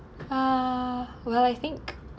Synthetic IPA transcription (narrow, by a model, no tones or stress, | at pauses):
ʌ | wɛlˠajθɪ̃ŋk